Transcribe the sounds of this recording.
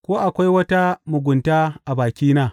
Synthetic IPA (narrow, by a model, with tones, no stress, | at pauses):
kʷoː˦ʔa˨kʷa˦jwɐ˦ta˦mʊ˨ɡʷʊ˨ntaː˦ʔa˨baː˨kʲiː˦naː˦˨